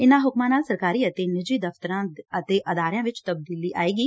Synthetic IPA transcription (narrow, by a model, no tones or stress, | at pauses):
ɪnãːɦʊkmãːnaːlsəɾkaːɾiːət̪eːnɪd͡ʒiːd̪əft̪əɾãːət̪eːʔəd̪aːɾɪjãːʋɪt͡ʃt̪əb̚d̪iːliːʔaːiːɡiː